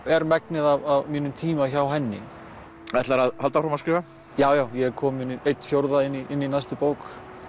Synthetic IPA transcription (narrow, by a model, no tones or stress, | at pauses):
ɛɾmɛknɪðavavmiːnʏmt̪ʰiːmaçawɦɛnːɪ̰ | ɛt̪laɾaðhalt̪afɾamaskɾɪːva | jaːwjaːwjɛɛɾkʰɔːmɪnɪejt̪fjowɾðaɪnːiʔɪnːinajst̪ʏpoːwk